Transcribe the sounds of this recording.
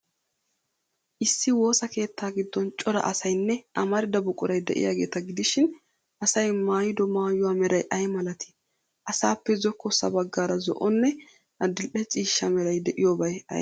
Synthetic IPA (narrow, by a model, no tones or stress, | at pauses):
ʔɪsːɪwo̞ːsɐke̞ːt̪ʰːaːɡɪd̪ːɔnt͡ʃʼɔɾɐ̰ʔɐsɐjnːɛʔɐmɐɾɪd̪ɐbʊkʼʊɾɐjd̪ɛ̰ʔɪ̰jaːɡe̞ːt̪ɐɡɪd̪ɪʃɪn | ʔɐsɐjmaːjɪd̪ɔmaːjʊwaːmɛɾɐjʔɐjmɐlɐt̪ʰɪ̥ | ʔɐsaːpːɛzɔkːɔsːɐ̰bɐɡːaːɾɐzɔ̰ʔɔnːɛ | ɐd̪ɪlʔɛt͡ʃʼiːʃːɐmɛɾɐjd̪ɛʔɪjobɐjɐ̰